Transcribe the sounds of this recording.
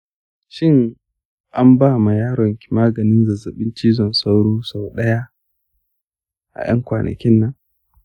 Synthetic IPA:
ʃɪ˦ŋ | ʔa˦mbaː˦ma˨jaː˦ɽɔ˨ŋkʲi˨maː˦ɡɐ˨nɪ˦nzɐ˨zɐ˨ɓɪ˦nt͡ʃiː˦zɔ˨nsa˦wɽuː˦sa˨wɗɐ˦ja˦ | ʔa̰˨j̰ɐ̰˦ŋkʷaː˨nɐ̰˨kʲɪ˦nːɐ˦ŋ

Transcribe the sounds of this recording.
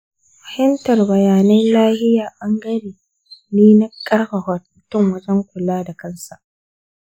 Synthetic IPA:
ɸɐ̥˨hɪ˦mtɐ˨rbɐ˨jaː˨nɐ˦nlaː˦hɪ˦jaː˨ʔɐ˦ŋɡɐ˦ɾiː˨ | niː˦na˦kʼːɐ˦rhɐ˨hɔ˨t̚mʊ˨tʊ˦ŋwɐ˦d͡ʒɐ˦ŋkʷʊ˨laː˦da˨kɐ˦nsa˨ʔ

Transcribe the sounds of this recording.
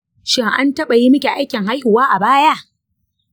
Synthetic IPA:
ʃɪ˦ŋʔa̰˦ntɐ˦ɓa˨ji˦mɐ˦kʲe˨ʔa˦jkʲɪ˨ŋɦa˦jhʊ˨waː˦ʔa˨baː˦ja˦ʔ

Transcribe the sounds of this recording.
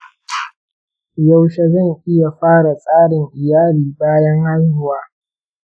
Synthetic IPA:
ja˦wʃe˦zɐ˦˨ŋʔɪ˦ja˨ɸaː˦ɽa˨sʼaː˦ɽɪ˨ŋʔɪ˨jaː˦liː˨baː˦jɐ˦ŋha˦lhʊ˦waː˦

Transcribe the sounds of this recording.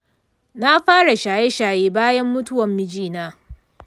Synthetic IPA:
na˦ɸaː˦ɽa˨ʃaː˨je˦ʃaː˨jeː˦baː˦jɐ˦mːʊ˦tʊ˦wɐ˨mːɪ˦˨d͡ʒiː˦naː˦

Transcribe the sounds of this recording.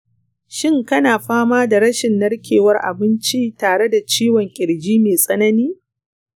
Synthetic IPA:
ʃɪ˦˨ŋkɐ˦naː˨ɸaː˦maː˦da˨ɽɐ˦ʃɪ˨nːɐ˦ɽkʲʰeː˨wɐ˦rʔa̰˨bɪ˦nt͡ʃi˦taː˨ɽe˦da˨t͡ʃiː˦wɔ˨ŋkʲʼɪ˨ɽd͡ʒiː˦meː˨sʼɐ˦nɐ˦niː˦

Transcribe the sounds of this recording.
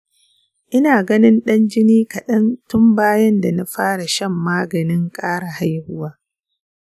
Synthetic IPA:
ʔɪ˦naː˨ɡɐ˦nɪ˦nɗɐ˦nd͡ʒɪ˦niː˦kɐ˨ɗɐ˦ntʊ˦mbaː˦jɐ˦nda˨na˦ɸaː˦ɽa˨ʃɐ˦mːaː˦ɡɐ˨nɪ˦ŋkʼaː˦ɽa˨ha˦jhʊ˦waː˦

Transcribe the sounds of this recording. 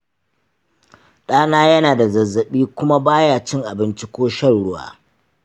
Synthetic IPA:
ɗaː˦naː˦jɐ˦naː˨da˨zɐ˨zːɐ˨ɓiː˦kʷʊ˦ma˦baː˦jaː˦˨t͡ʃɪ˦ŋʔa˨bɪ˦nt͡ʃi˦kʷoː˦ʃɐ˦˨nɽʊ˦wa̰ː˨

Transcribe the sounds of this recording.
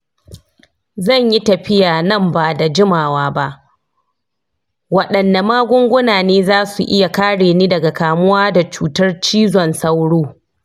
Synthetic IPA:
zɐ˦˨ɲji˦tɐ˨ɸɪ˦jaː˨nɐ˦˨mbaː˨da˨d͡ʒɪ˦maː˨waː˦ba˦ʔ | wɐ˨ɗɐ˨nːa˨maː˦ɡʷʊ˦ŋɡʷʊ˦naː˨neː˦zaː˦su˨ʔɪ̰˦ja˨kaː˦ɽeː˨niː˦dɐ˨ɡa˨kaː˨mʊ˦waː˦da˨t͡ʃuː˦tɐ˦rt͡ʃiː˦zɔ˨nsɐ˦wɽoː˦

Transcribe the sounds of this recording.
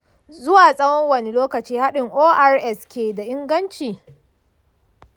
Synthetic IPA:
zʊ˦waː˨sʼɐ˦wɔ˦ŋwɐ˨ne˨loː˦kɐ˨t͡ʃiː˦ha˦ɗɪ˨ŋʔoː˦ʔa˦ɾʔɛ˦skʲeː˨da˨ʔɪ˦ŋɡɐ˦nt͡ʃiː˨

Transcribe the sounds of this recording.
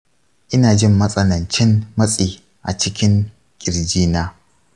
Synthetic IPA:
ʔɪ˦naː˨d͡ʒɪ˦mːɐ˦sʼɐ˦nɐ˨nt͡ʃɪ˦nmɐ˦sʼiː˨ | ʔa̰˨t͡ʃɪ˦kʲɪ˦ŋ | kʲʼɪ˨ɾd͡ʒiː˦naː˦

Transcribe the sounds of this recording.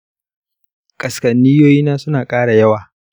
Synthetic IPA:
kʼɐ˨skɐ˨nːiː˦joː˦jiː˦naː˦sʊ˦naː˨kʼaː˦ɽa˨jɐ˦waː˨

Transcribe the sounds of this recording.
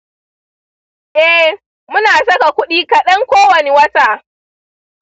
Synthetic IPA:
ʔɛ˦h | mʊ˦naː˨sɐ˦ka˨kʷʊ˦ɗiː˦kɐ˨ɗɐ˦ŋkʷoː˦wɐ˨ne˦wɐ˦taː˨

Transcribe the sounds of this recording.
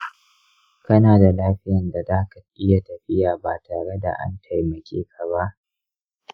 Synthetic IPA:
kɐ˦naː˨da˨laː˦ɸɪ˦jɐ˨nda˨zaː˦ka˨ʔɪ˦ja˨tɐ˨ɸɪ˦jaː˨baː˨tʰaː˨ɽe˦da̰˨ʔa̰˦ntʰa˨jmɐ˨kʲʰḛː˦kʰa˨ba˦ʔ

